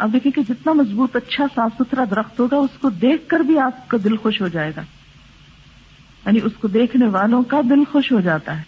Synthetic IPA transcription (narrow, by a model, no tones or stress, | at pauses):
a̰ːp̚d̪eːkʰiẽked͡ʒɪt̪namɐzbuːt̪ɐtːʃʰasaːfsʊt̪ʰɾad̪ɐɾəxt̪ɦoːɡaʊskod̪eːkʰkɐɾbʱiaːp̚kad̪ɪlxoːʃɦod͡ʒaːeːɡaː | jaːniʊskod̪eːkʰneʋaːlõkad̪ɪlxoʃɦod͡ʒaːt̪aɦɛː